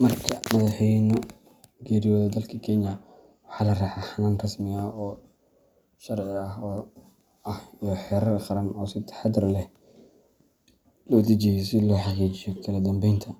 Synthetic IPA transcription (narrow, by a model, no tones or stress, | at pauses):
mɐrkʰɐmɐðɑħɛnʊ | ɡɛːɾɪjɔːðɐd̪ɐlkʰɐkʰɛnjɐ | wɑħɑːlɐrɐːħaħanaːnrɐsmɪɐɔː | ʃɐrʕɪɐɦɔː | ɐhijɔħɛːɾɐrqɑɾɐnɔːsɪt̪ʰɐ̥ħɑd̪ɾlɛh | lɔːd̪ɐt͡ʃɛjɛsɪlɔːħɑqiːt͡ʃɪjɔkʰɐlɐd̪ɐmbɛjnt̪ʰɐ